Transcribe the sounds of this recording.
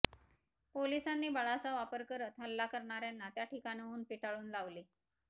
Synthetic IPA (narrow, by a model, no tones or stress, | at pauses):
polisanːiːbəɭat͡saʋapəɾkəɾət̪ɦəlːakəɾɳ̃aɾjanːat̪jaʈʰikaniuːnpiʈaɭuːnlaʋliː